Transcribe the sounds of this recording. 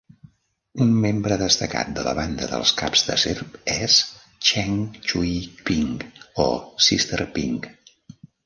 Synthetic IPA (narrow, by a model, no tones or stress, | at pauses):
unmembɾəðəst̪əka̰t̪̚d̪ələ̰βand̪əðə̰lˠskapz̥d̪əserpɛs | t͡ʃɛŋt͡ʃuipiŋosist̪ərpḭŋ